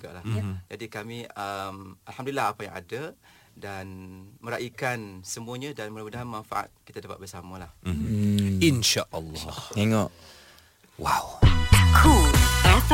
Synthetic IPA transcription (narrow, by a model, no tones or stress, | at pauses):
ɡa̰ʔlahd͡ʒadikamĩəmalhamdulilːaɦapajaŋa̰da | danmə̃ɾaʔikansəmuəɲãdanməmudaɦanmanfa̰ʔa̰t̪̚ki̥t̪adapat̪̚bəsamalah | inʃaʔalːɔeŋɔʔ | wawkʰuas